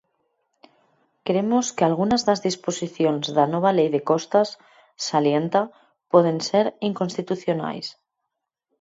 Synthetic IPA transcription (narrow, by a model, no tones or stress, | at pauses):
kɾemo̞skealɣ̞unazðazðispo̞siθjo̞nzðano̞β̞ale̞jðe̞ko̞st̪asː | alje̞nt̪a | pwe̞ð̞e̞nseɾiŋkonst̪it̪uθjo̞na̰js